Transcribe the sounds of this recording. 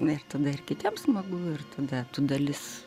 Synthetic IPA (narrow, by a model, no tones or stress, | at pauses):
ɪrt̪ɐd̪ɐɪrkʲɪt̪ʲiɛmsmɐɡuːɪrt̪ʰɐd̪ɐt̪ud̪ɐlʲɪs